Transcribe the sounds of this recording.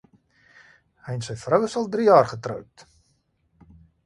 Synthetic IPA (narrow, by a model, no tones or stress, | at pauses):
hɛjnsɛjfrəwəsɔlˠdrijɑːrχətrə̰wp̚t